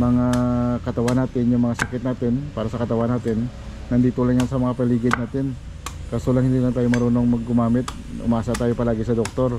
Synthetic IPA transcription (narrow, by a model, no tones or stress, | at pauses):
mɐŋakɐt̪ɐwanːaːt̪ɪnjʊŋmɐŋasɐkɪt̪naːt̪ɪnpaːɾɐsɐkɐt̪ɐwanːaːt̪ɪnː | ɐnd̪iːt̪olaŋjansɐmɐŋapɐliːɡɪd̪naːt̪ɪn | kasolɐŋhɪnd̪ilɐt̪aːjomɐɾuːno̞ŋmɐɡ̚ːʊmaːmɪt̪̚ | ʔʊ̰mʔaːsɐt̪aːjopɐlaːɡɪsɐd̪ok̚t̪o̞ɾ